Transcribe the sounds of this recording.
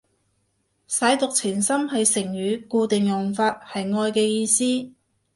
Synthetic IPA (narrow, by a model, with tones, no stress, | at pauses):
sɐ˨˥jt̪ʊ˨k̚t͡sʰiː˨˩nsɐ˥mɦɐ˨jsɪ˨˩ŋɥyː˨˧kuː˧t̪ɪ˨ŋjʊ˨ŋfaː˧t̚hɐ˨jŋɔː˧jkɛː˧jiː˧siː˥